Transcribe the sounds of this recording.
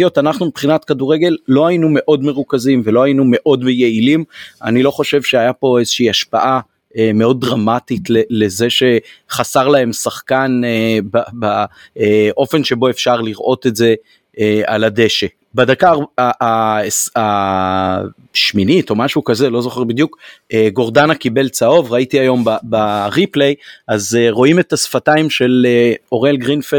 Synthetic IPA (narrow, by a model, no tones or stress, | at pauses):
jot̪anaχnumibχinat̪kaduʁe̞ɡe̞lːo̞hajinume̞ʔo̞dme̞ʁukazimve̞lo̞hajinume̞ʔo̞dmejeilima̰nilo̞χo̞ʃe̞vʃeajapo̞e̞zeʃiiaʃpaʔa | emeo̞d̚ːʁamatitlele̞ze̞ʃe̞χasaʁlae̞msaχkanbabaeʔo̞fe̞nʃe̞bo̞efʃaʁliʁʔo̞t̪etze̞ | ea̰lade̞ʃe | badakaʁaasa | ʃminito̞maʃukazelo̞zo̞χeʁbid̪jukeɡo̞ʁdanakibe̞lt͡sao̞vʁaitiajo̞mbabaʁiplejazeʁo̞ime̞t̪asfataimʃe̞leo̞ʁelɡʁinfe